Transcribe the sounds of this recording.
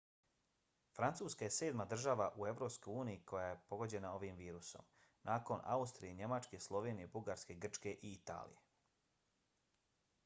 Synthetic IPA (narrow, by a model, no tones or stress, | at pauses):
fɾant̪suːskaje̞se̞ːd̪mad̪r̩ʒaːʋaʔue̞ʋɾo̞ːpsko̞juːnijiko̞jaje̞po̞ɡo̞d͡ʑe̞nao̞ʋiːmʋiːɾuso̞̰m | nʔaːko̞nʔa̰ust̪ɾijeɲe̞mat͡ʃke̞slˠo̞ʋe̞ːnije̞buɡaɾske̞ɡr̩t͡ʃke̞ʔiit̪a̰ːlḭje